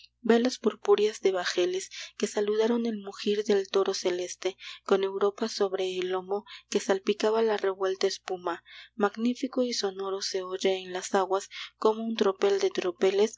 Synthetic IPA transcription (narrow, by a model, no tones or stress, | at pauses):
be̞laspoɾpuɾjazðe̞βaxe̞le̞ske̞saluðaɾo̞ne̞lmuxiɾðe̞lt̪o̞ɾo̞se̞le̞st̪e̞ko̞ne̞wɾo̞paso̞βɾe̞ːlo̞mo̞ke̞salpikaβalare̞βwe̞lt̪aespumamaɣnifikoiso̞no̞ɾo̞se̞oʝeːnlasaɣwasko̞mo̞unt̪ɾo̞pe̞ld̪e̞t̪ɾo̞pe̞le̞s